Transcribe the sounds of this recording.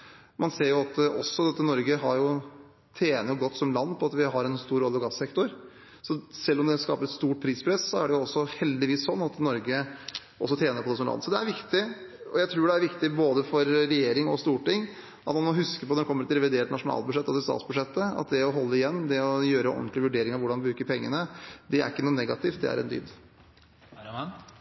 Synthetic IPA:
mɑnseːɾjʊɑt̪ʔɔsːɔd̪ɛt̪ːənɔɾɡəɦɑɾjʊ | t̪ʰeːnəjʊɡɔt̪ːsɔmlɑnːpʰɔɑt̪ʋɪɦɑɾɛnst̪uːɾɔlːɔɡɑsɛkt̪ʊɾ | sɔsɛlːɔmd̪ɛskɑ̰ːpəɾɛt̪st̪uːʈ̚pʰɾiːspʰɾɛssɔæɖɛjʊɔsːɔhɛld̪ɪʋiːssɔnːɑt̪nɔɾɡə | ʔɔsːɔt̪ʰjeːnəɾpʰɔd̪ɛsɔmlɑ̰nːsɔd̪ɛæɾʋɪkt̪ɪɔ̰jæɪt̪ʰɾuːɖɛæɾʋɪkt̪ɪboːd̪əfɔɾːɛjeːɾɪŋɔst̪uːʈɪŋː | ɑt̪nɑnmɔhʉskəpɔd̪ɛnkʰɔmːəɾɛt̪ɾɛʋɪd̪eːʈ̪nɑʂʊnɑ̰ːlbʉʂɛt̪ːɑsd̪ɛst̪ɑ̰t̪sbʉʂɛt̪ːəɑ̰t̪̚d̪ɛɔɦɔlːəɪjɛnːd̪ɛɔjøːɾəʔɔ̰nt̪lɪʋʉɖeːɾɪŋɑʋʊɖɑnbɾʉːkəɾpʰɛŋːə̰nəd̪ɛæ̰ɾɪkːənuːnɛɡɑt̪ɪft̪̚d̪ɛ̰æ̰ɾɛ̰nd̪y̰ːd̪

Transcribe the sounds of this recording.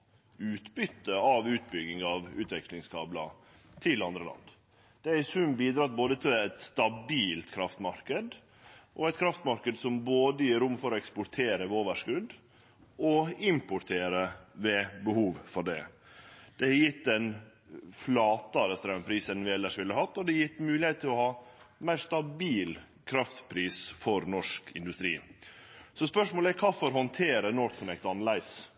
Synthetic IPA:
ʉːt̪bʏt̪ːəɑʋʉːt̪̚bʏɡɪŋɑʋʉːt̪ʋɛklɪŋskʰɑːblɑ̰ | t̪ʰɪlɑnd̪ɾəlɑ̰nd̪ | d̪̥ɛæsʉmbiːd̪ɾɑːt̪̚boːd̪ət̪ʰɪlæt̪st̪ɑbiːlt̪kʰɾɑft̪mɑɾkəd̪ | ʔɔæɪt̪kʰɾɑft̪mɑɾkəd̪sɔmboːd̪əjiːɾʊmːfɔɾɔɛkspʊɾt̪ʰeːɾəʋɛoːʋəʂkʉd̪ | ɔɪmpʊɾt̪ʰeːɾəʋɛbəhuːʋfɔɖɛ̰ | d̪̥ɛhjɪt̪ːɛn | flɑːt̪ɑɾəst̪ɾɑmpʰɾiːsənʋɪɛlːəʂʋɪlːəhɑt̪ːɔd̪ɛjɪt̪ːmʉːlɪheɪt̪ʰːɪlɔhɑːmæɪɾst̪ɑbiːl | kʰɾɑft̪pʰɾiːsfɔɾnɔʂkʰɪ̰nd̪ʉst̪ɾḭː | sɔspœʂmoːlɛkʰɑːfɔɾɦɔnt̪ʰeːɾənɔt̪kʰʊnɛkt̪ɑnlæɪs

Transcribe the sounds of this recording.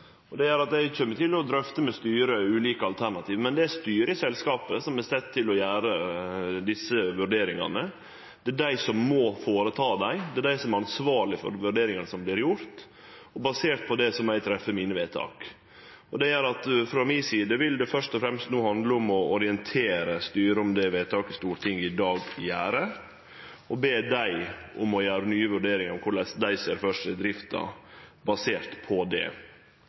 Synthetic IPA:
ɔd̪ɛæɾɑt̪æɪçɛmːəʈ̪ɪlːɔd̪ɾœft̪əmɛst̪yːɾəʉːliːkəɑlt̪ʰæɳɑt̪ʰiːʋmɛnd̪ɛæst̪yːɾəsɛlskɑːpəsɔmɛsɛt̪ʰːɪlɔjæːɾəd̪ɪsːəʋʉɾɖeːɾɪŋɑ̰nə | d̪̥ɛæɖæɪsɔmːɔfoːɾət̪ʰɑːd̪æɪd̪ɛæɖ̪æɪsɔmæɾɑnsʋɑːɭɪfɔ̰ɾʋʉɖeːɾɪŋənəsɔmblɪɾjʊɾt̪ | ɔbɑseːʈ̪̚pʰɔd̪ɛsɔmæɪt̪ʰɾɛfːəmiːnəʋeːt̪ʰɑ̰ːk | ɔd̪ɛæɾɑt̪fɾɑmiːsiːd̪əʋɪld̪ɛfœʂt̪ɔfɾɛmst̪nuːhɑnd̪ləʊmɔɔɾɪənt̪ʰeːɾəst̪yːɾəʊmd̪ɛʋeːt̪ʰɑːkɪst̪uːɾt̪ʰɪŋːɪd̪ɑːɡɪjæːɾə | ɔbeːd̪æɪʔʊmɔjæːɾənyːəʋʉɖeːɾɪŋəɾɔmkʰʊɭɛsd̪æɪseːɾfœʂɛd̪ɾɪft̪ɑ̰bɑseːɾt̪pʰɔd̪ɛ̰

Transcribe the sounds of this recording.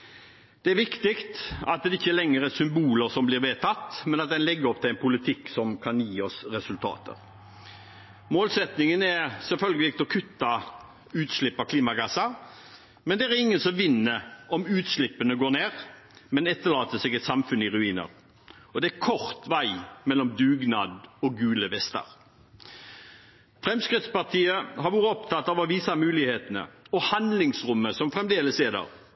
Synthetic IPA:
d̪̥ɛæɾʋɪkt̪ɪkt̪ɑt̪̚d̪ɛɪçːəlɛŋːəɾɛsʏmbuːləɾsɔmblɪːɾʋeːt̪ʰɑt̪ːmɛnɑt̪̚d̪ɛnlɛɡːəɾɔp̚t̪ɪlɛɪnpʊlɪt̪ʰɪkːsɔmkʰɑnjiːɔsɾɛsʉlt̪ʰɑ̰ːt̪ʰə̰ɾ | moːlsɛt̪nɪŋənɛɾsɛlfœlɡəlɪk̚t̪ɔkʰʉt̪ːɑ | ʉːt̪slɪpːɑkʰliːmɑɡɑsɑ | mɛnd̪ɛæɛɾɪŋːənsɔmʋɪnːəɔmʉːt̪slɪpːənəɡoːneːʁ | mɛnɛt̪ːəlɑːt̪əsɛɡɛt̪sɑmfʉnɪʁʉiːnə̰ɾ | ɔd̪ɛækʰɔʁt̪ʋæɪmɛlɔmd̪ʉːɡnɑːd̪ɔɡʉːləʋɛst̪ə̰ɾ | fɾɛmskɾɪt̪spɑʁt̪ʰiːəhɑɾʋuːɾəɔpt̪ʰɑt̪ːɑːʋɑʋiːsɑmʉːlɪheːt̪ənə̰ɔhɑnd̪lɪŋsɾʊmːəsɔmfʁɛmd̪eːləseːd̪ə̰ʁ

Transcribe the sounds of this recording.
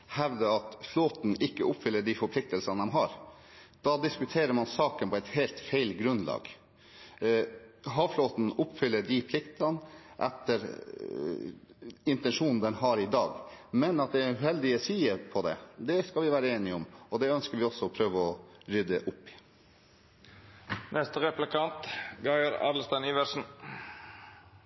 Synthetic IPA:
hɛʋd̪əɾɑt̪floːt̪n̩ʔɪkːəʔʊpːfʏlːəɖifɔɾpʰlɪk̚t̪əlsɑnd̪ɛmɦɑɾ | d̪̥ɑd̪ɪskʉt̪ʰeːɾəɾmɑnsɑːkənpʰɔɛɪt̪hɛːlt̪fæɪlɡɾʉnlɑ̰ːɡ | ɦɑːʋfloːt̪n̩ʊpːfʏlːəɖipʰlɪkt̪ɑnʔɛ̰t̪ːəɾ | ɪnt̪ɛnʂuːnn̩d̪ɛnhɑɾɪd̪ɑ̰ːɡmɛnɑt̪̚d̪ɛæʉɦɛld̪ɪəsiːəpʰɔd̪ɛ̰d̪ɛskɑlʋɪʋæːɾəeːnɪʊmɔd̪ɛœnskəɾʋɪɔsːɔɔpʰɾøːʋəɔɾʏd̪əʔʊpːɪ̥ | nʔɛst̪əʁɛplɪkʰɑnt̪ɡɑɪəɾɑ̰ːd̪l̩st̪ɑɪniʋæɾsn̩

